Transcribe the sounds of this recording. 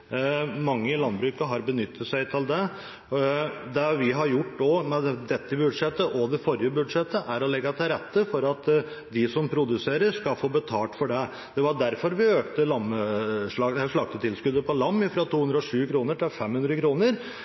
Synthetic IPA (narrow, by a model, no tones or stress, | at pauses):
mɑŋːəɪlɑnbɾʉːkəɦɑɾbənʏt̪ːət̪sæɪt̪ʰɪld̪ɛ | d̪ɛʋɪɦɑɾjʊʈːd̪ɔmɛd̪ɛd̪ɛt̪ːəbʉd̪ʂɛt̪ːəʔɔd̪ɛfɔɾjəbʉd̪ʂɛt̪ːəʔæɾɔlɛɡːət̪ʰɪlɾɛt̪ːəfɔɾɑt̪ | d̪ɪsɔmpʰɾʊd̪ʉseːɾəɾʂkɑlfoːbət̪ʰɑːlʈ̪fɔɖɛ | d̪̥ɛʋɑɖæɾfɔɾʋɪøːkt̪əlɑməʂlɑʂɭɑːɡ̚t̪ət̪ʰɪlskʉd̪əpʰɔlɑmːɪfɾɑːt̪ʰuːʉnd̪ɾəɔʂʉːkʰɾuːnəʈɪlfɛmːhʉnd̪ɾəkʰɾuːnəɾ